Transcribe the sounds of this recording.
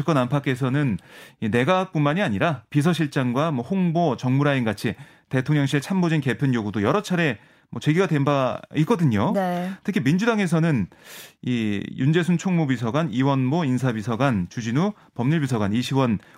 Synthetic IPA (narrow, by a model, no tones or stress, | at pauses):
ɯk͈ʌnampʰakʰe̞s̬ʰʌnɯnine̞ɡak̚p͈unmaɲiaɲiɾapis̬ʰʌɕʰiɭt͡ɕ͈aŋɡwamwʌhoŋbot͡ɕʌŋmuɾainɡat͡ɕʰi | te̞tʰoŋɲjʌŋɕʰiet͡ɕʰambod͡ʑinke̞pʰɯnjoɡudojʌɾʌt͡ɕʰaɾe̞ | mwʌt͡ɕe̞ɡiɡadwe̞nbaik͈ʌdɯɲonetʰɯkʰimind͡ʑudaŋe̞s̬ʰʌnɯnijund͡ʑe̞sʰunt͡ɕʰoŋmubis̬ʰʌɡaniwʌnmoinsʰabisʰʌɡant͡ɕud͡ʑinu | pʌmɲuɭbis̬ʰʌɡaniɕʰiwʌn